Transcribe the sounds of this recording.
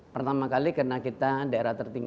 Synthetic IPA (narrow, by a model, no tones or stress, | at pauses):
pərt̪amakalikərənakit̪adaeɾat̪ərt̪iŋ